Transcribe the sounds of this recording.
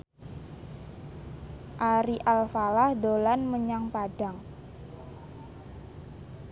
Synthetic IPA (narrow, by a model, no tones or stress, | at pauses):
ʔaɾiʔalfalahdolanməɲaŋpaɖaŋ